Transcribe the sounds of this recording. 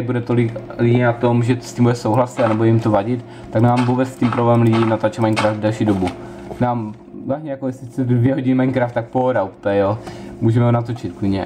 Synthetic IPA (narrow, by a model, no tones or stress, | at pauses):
budɛt̪o̞lɪklinat̪o̞mʒɛtstcimbudɛsowɦlasit̪anɛbojɛjimt̪ovaɟɪt̪ | t̪aknaːmvubɛt͡sscimpɾoblɛɛmlɪɟiːnat̪aːt͡ʃɛmaɲkɾaːfd̪dɛlʃiːdobu | naːm | aɲɛjakojɛsɪsɛdvjɛɦo̞ɟɪnɪmaɲkɾaːft̪ak̚poɦoɾaupɛjɛjomuːʒɛmɛɦonat̪ot͡ʃɪt̪̚kviɲɛ